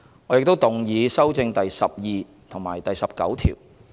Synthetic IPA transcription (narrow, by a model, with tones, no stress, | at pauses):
ŋɔ˨˧jɪ˨k̚t̪o˥wt̪ʊ˨ŋjiː˨˧sɐ˥wt͡sɪ˧ŋt̪ɐ˨jsɐ˨p̚jiː˨˧ | t̪ʰʊ˨˩ŋmaː˨˩jt̪ɐ˨jsɐ˨p̚kɐ̰˨˥wt̪ʰḭː˨˩w